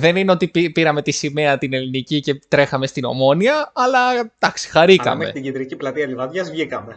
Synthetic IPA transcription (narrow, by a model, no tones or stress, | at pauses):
ðe̞nineo̞t̪ipipiɾɐme̞t̪isime̞ɐt̪ine̞linicice̞t̪ɾe̞xɐme̞st̪ino̞̰mo̞niɐːlɐd̪ɐksi̥xɐɾikɐ̰meḛit̪iɟid̪ɾiciplɐt̪iɐlivɐðʝɐzvʝikɐme